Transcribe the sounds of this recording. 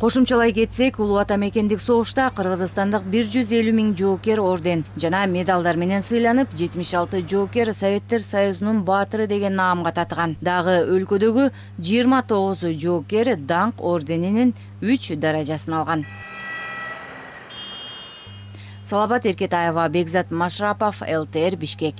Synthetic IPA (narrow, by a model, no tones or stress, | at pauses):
qʰo̞ʃumt͡ʃɑlˠɑjɡe̞t̪se̞kulˠuɑt̪ɑme̞ke̞nd̪ikso̞ʁuʃt̪ɑqʰɯɾʁɯzst̪ɑnd̪ɯq̚biɾd͡ʒyze̞lymiŋd͡ʒo̞ːkʲe̞ɾo̞rd̪ʲe̞nd͡ʒɑnɑmʲe̞d̪ɑlˠd̪ɑɾme̞ne̞nsɯjlˠɑnɯpd͡ʒe̞t̪miʃɑlˠt̪ɯd͡ʒo̞ːkʲe̞ɾsovʲe̞t̪ːe̞ɾsajuzununbɑt̪ɯɾɯd̪e̞ɡe̞nɑːmʁɑt̪ʰɑt̪ʁɑnd̪ɑʁɯø̞lkø̞d̪ø̞ɡy | d͡ʒiːɾmɑt̪ʰo̞ʁuzd͡ʒo̞ːkʲe̞ɾd̪ɑɴqo̞rd̪ʲe̞ninin | yt͡ʃd̪ɑɾɑd͡ʒɑsɯnɑlˠʁɑn | sɑlˠɑβɑt̪e̞ɾke̞t̪ajovɑbe̞ɡzɑt̪maʃrapo̞felˠt̪eeɾbiʃke̞k